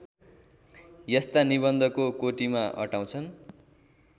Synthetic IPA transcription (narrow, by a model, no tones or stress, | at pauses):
jʌst̪aniβʌnd̪ʱʌkokoʈimaʔʌ̰ʈaw̃t͡sʰʌn